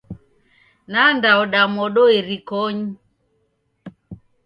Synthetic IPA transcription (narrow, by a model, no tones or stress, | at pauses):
nandaɔɗamɔɗɔeɾikɔɲi